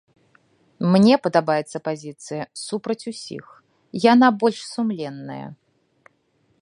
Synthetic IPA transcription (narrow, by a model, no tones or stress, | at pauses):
mnʲɛpɐd̪abajɛt̪sːɐpazʲit̪sɨjɐsupɾɐt͡sʲusʲḭx | janabɔlʲʂsumlʲɛnːɐ̰jɐ̰